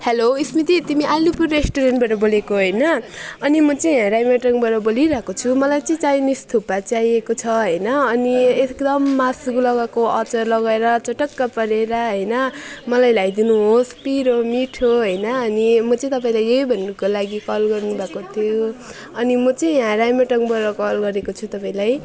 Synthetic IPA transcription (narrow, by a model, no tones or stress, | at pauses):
heloismit̪it̪imiʔalupurːesʈoɾenʈbaʈʌbolekoɦʌjnʌːnimʌt͡sʌĩjãɾajmaʈʌŋbaʈʌboliɾʌkot͡sʰumʌlajt͡sʌĩt͡sajnist̪ʰupat͡saiekot͡sʰʌɦʌjnʌʌniekd̪ʌmːasuklʌɡakoʌt͡sʌrlʌɡaeɾʌt͡sʌʈʌkːapʌɾeɾʌɦʌjnʌmʌlajlajd̪inuɦospiɾomiʈʰoɦʌjnʌːnimʌt͡sʌĩt̪ʌp̬aĩlajʌjbʱʌnːukolaɡikʌlɡʌrnubʱakot̪ʰijo | ʌnimʌt͡sʌĩɦãɾajmaʈʌŋbʌɾʌkʌlɡʌɾekot͡sʰut̪ʌpaĩlaj